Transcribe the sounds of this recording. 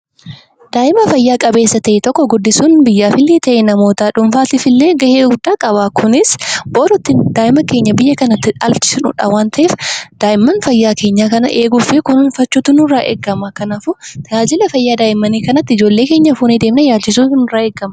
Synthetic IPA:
d̪̥aːʔɪmɐfɐjːaːkʼɐbe̞ːsːɐt̪ɐʔɛt̪ɔkːɔɡʊd̪ːɪsuːnbɪjːaːfɪlːeːt̪ɐʔenɐmo̞ːt̪aːᶑʊmfaːt̪ɪfɪlːeːɡɐheːɡʊd̪ːaːkʼɐbaːkʰʊnɪsboːɾɔt̪ːɪd̪aːʔɪmɐke̞ːɲːɐbɪjːɐkɐnɐt̪ːɪᶑɐ̰lt͡ʃɪ̥sʊnʊ̰ᶑa̰waːnt̪ʰɐʔeːfd̪̥aːʔɪmːɐnfɐjːaːke̞ːɲːaːkɐnɐ̰ʔeːɡʊfeːkʊnnfɐt͡ʃːuːt̪ʊnʊrːaːʔḛːɡːɐmɐkɐnaːfʊt̪aːd͡ʒɪlɐfɐjːaːd̪aːʔɪmːɐniːkɐnɐt̪ːɪɪd͡ʒoːlːe̞ːke̞ːɲːɐfuːnid̪eːmɪnɐjaːlt͡ʃɪsuːnʊraːeːɡːɐmɐ

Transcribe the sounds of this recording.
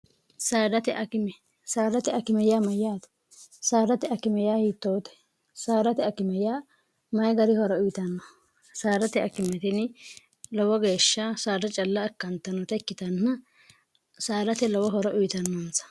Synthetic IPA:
saːd̪ɐt̪ɛʔɐkɪmɛ | saːd̪ɐt̪ɛɐkɪmɛjaːmɐjːaːt̪ | saːd̪ɐt̪ɛɐkɪmɛjaːhiːt̪ːoːt̪ɛ̥ | saːd̪ɐt̪ɛɐkɪmɛjaː | mɐjɡɐɾɪhɔɾɔʊjɪt̪ɐnːɔ | saːd̪ɐt̪ɛɐ̰kːɪmɛt̪ɪn | lɔwɔɡe̞ːʃːɐsaːd̪ɐt͡ʃʼɐlːɐːkːɐnt̪ːɐnɔt̪ɛkːɪt̪ɐnːɐ | saːd̪ɐt̪ɛlɔwɔɦɔɾɔʔʊjɪt̪ɐnːɐnsɐ̥

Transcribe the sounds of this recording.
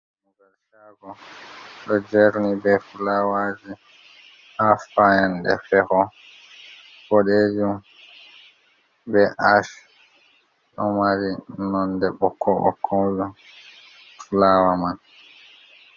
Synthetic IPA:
muɡalʃaɡɔɗɔd͡ʒeɾnibɛfulawad͡ʒi | afajanɗɛ̰fɛhɔ | fɔɗed͡ʒum | bɛʔaʃ | ɗɔmaɾinɔndɛɓɔkʰːɔʔɔ̰kʰːɔd͡ʒu | fulaːwaman

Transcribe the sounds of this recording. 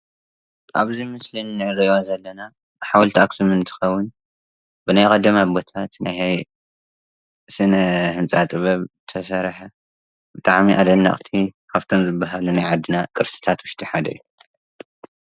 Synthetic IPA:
ʔaβzimɨslɨnːɨʕɨɾijozɐlːɐna | ħawlt̪ʰiaksumɨnt̪ʰɨ̥xɐwːʊn | bɨnajkʼɐd̪ɐmabo̞t̪ʰat̪najhaj | sɨnɐhɨnt͡sʼat̪ʼɨβɐβt̪ʰɐsɐɾħɐ | b̥ɨt̪ʼaʕmiʔad̪ɐnːa̰χʼt̪ʰikʰaβt̪ʰomzɨbːaɦalunajʕad̪ːɨnakʼɨɾsɨ̥t̪ʰat̪wʊʃt̪ʼiħad̪ɐ̰jːu

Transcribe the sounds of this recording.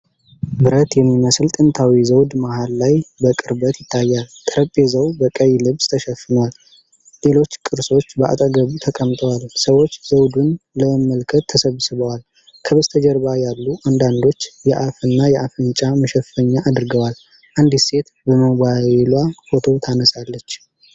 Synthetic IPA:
bɨɾət̪jɛmːiməslt̪ʼɨnt̪ʰawizəwd̪mahalːajbəkʼɨɾbət̪jɪt̪ʰːajːalt̪ʰəɾəpʼezəwbəkʼəjːlɨβst̪ʰəʃɛfːɨnəwal | le̞lo̞t͡ʃːkʼɨɾso̞t͡ʃːbəʔa̰t̪ʼəɡəβut̪ʰəkʼəmt̪ʼəwalsəwo̞t͡ʃːz̥əwd̪unləəmːəlkʰət̪ʰːəsəβsɨβəwal | kʰəβəzt̪ʰəd͡ʒəɾbajalːuʔand̪and̪o̞t͡ʃːjɛʔafɨnːajɛʔafɨnt͡ʃʼaməʃɛfəɲːaʔːd̪ɨɾɡəwal | ʔand̪ise̞t̪ | bəməβaelwafo̞t̪ʰo̞t̪ʰanəsalːət͡ʃː

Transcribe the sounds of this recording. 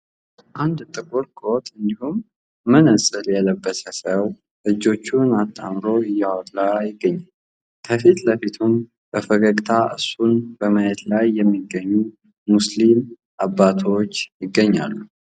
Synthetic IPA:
ʔand̪t̪ʼɨkʼoɾkʼot̪ʼɨnd̪ihumː | ɨnɨsʼɨljɛləbːəsəsəw | ʔɨd͡ʒːo̞t͡ʃːunat̪ʰʼːa̰mɾo̞ɨjːawɔt̪ʼlajɪɡːəɲːal | kʰəfit̪ləfit̪ʰun | b̥əfəɡəkʼt̪ʰaʔɨ̰sunb̥əməjɛt̪lajːɛmːiɡəɲːu | muslim | ʔabːat̪ʰo̞t͡ʃːjɪɡːəɲːa̰lːu

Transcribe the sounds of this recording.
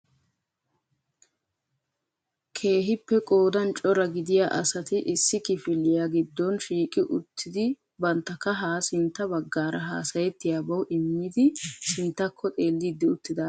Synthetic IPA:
kʰe̞ːɦɪpːɛkʼo̞ːd̪ɐnt͡ʃʼɔɾɐɡɪd̪ɪjaːʔɐ̰sɐt̪ɪʔɪsːɪkɪfɪlːɪjaɡɪd̪ːɔnʃiːkʼɪʔʊt̪ːɪd̪ɪ | bɐnt̪ːɐkːɐɦaːsɪnt̪ːɐbɐɡːaːɾɐɦa̰ːsɐjɛt̪ːɪjaːbɐwʔɪmːɪd̪ɪsɪnt̪ːɐkʰːɔt̪ʼe̞ːlːɪd̪ːɪʊt̪ːɪd̪ɐ

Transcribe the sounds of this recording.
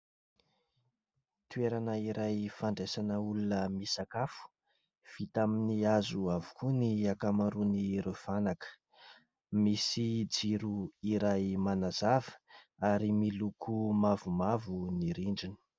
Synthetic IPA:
t̪ueɾanəiɾʔajfaɳɖ͡ʐesanəulunəmisakafu̥ | v̥it̪aminiazuavu̥kuniakamaɾuniɾev̥anakə̥ | misid͡ziɾuiɾajmanazavə̥ | aɾimilukʰumavumavuniɾiɳɖ͡ʐini̥

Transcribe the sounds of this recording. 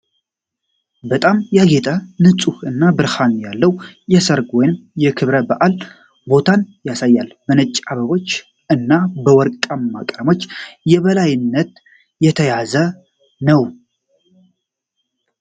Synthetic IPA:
bət̪ʼamjaɡet̪ʼʰənɨsʼuhɨnːabɨɾhanjalːəwjɛsəɾɡwɔjnmjɛkʰɨβɾəbaʔal | bo̞t̪ʰanjasajːalbənət͡ʃʼːaβəβo̞t͡ʃː | ɨnːabəwɔɾkʼəmːakʼɾəmo̞t͡ʃːjɛβəlajɪnːət̪ | jɛt̪ʰəjazə | nəw

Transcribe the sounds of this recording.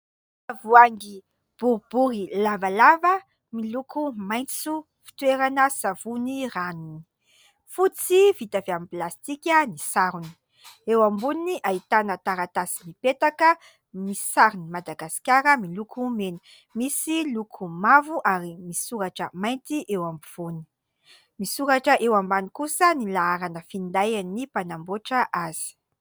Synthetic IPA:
avuaŋɡi | b̥uɾbuɾilavalavə | milukʰumajnt͡su | fi̥t̪weɾanəsavuniranuni̥ | fut͡sivit̪aveamiplast̪ikʲənisaɾuni̥ | ewambuniniʔait̪anət̪aɾat̪asimipet̪akə | misaɾinimad̪aɡasi̥kʲaɾəmilukʰumenu̥ | misilukʰumavuʔaɾimisuɾaʈ͡ʂəmajnt̪iʔewambiv̥uni̥ | misuɾaʈ͡ʂəʔewambanikusənilaaɾanəfind̪ajannːipanamboʈ͡ʂəʔaz̥i̥

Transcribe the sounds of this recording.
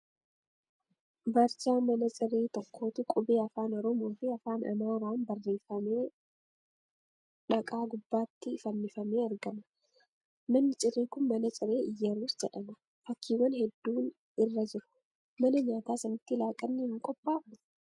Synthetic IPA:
bɐɾt͡ʃaːmɐnɐt͡ʃʼɪɾe̞ːt̪ɔkʰːo̞ːt̪ʊkʼʊbeːɐfaːnɔɾɔmo̞ːfɪɐfaːnɐ̰naːɾaːnbɐrːe̞ːfɐmeː | ᶑɐkʼaːɡʊbːaːt̪ːɪfɐnːɪfɐme̞ːɐɾɡɐmɐ̥ | mɐnːɪt͡ʃʼɪreːkʊnmɐnɐt͡ʃʼɪɾe̞ːɪjːɐɾuːsd͡ʒɛᶑɐmʊ̥ | fɐkːiːwɐnhɛd̪ːuːn | ɪrːɐd͡ʒɪɾʊ̥ | mɐnɐɲaːt̪aːsɐnɐt̪ːɪlaːkʼɐnːɪhɪŋkʼɔpʼːaːfn

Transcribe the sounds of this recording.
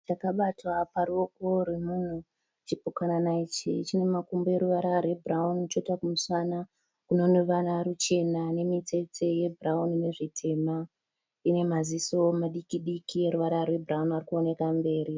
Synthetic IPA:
t͡ʃakaɓatwaparuokoɾwemun̤u | t͡ʃipukananait͡ʃḭt͡ʃine̞makumboe̞ɾuʋaɾarwe̞braunt͡ʃotakumuswana | kuno̞nuʋanaɾut͡ʃe̞nane̞mit͡se̞t͡se̞je̞braunine̞ʐitʰe̞ma | ine̞maziso̞maɗikiɗikieɾuʋaɾarwe̞bʱuraunarikuone̞kambe̞ːɾi

